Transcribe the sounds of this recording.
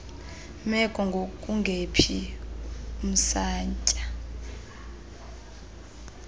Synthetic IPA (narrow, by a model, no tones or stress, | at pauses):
mɛkʼɔŋɡʱokʼuŋɡʱepʰi | um̩saːɲt͡ʃʼa